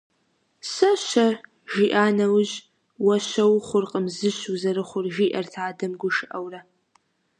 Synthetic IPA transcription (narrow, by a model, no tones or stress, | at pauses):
sɐɕɐ | ʒiːʔaːnɐwʑ | wɐɕɐwχʷʊrqʼəmzɨɕuzɐɾɨχʷʊrʒiːʔɐrtʰaːdɐmɡʷʊʃɨʔɐwrɐ